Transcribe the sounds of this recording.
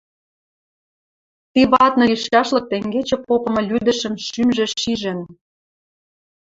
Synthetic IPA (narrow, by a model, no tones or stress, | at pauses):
t̪iβɑt̪nɤ̆iʃkɑʃlɤ̆k̚t̪eŋɡet͡ɕĕpopɤ̆mɤ̆lʲyd̪ə̆ʃə̆mʃymʒĕʃiʒĕn